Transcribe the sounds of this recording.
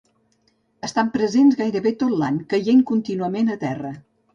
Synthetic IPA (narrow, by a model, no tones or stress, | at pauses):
əst̪ampɾəzenzɣajɾəβet̪ot̪laɲkəjeŋkunt̪inuəmenət̪ɛrə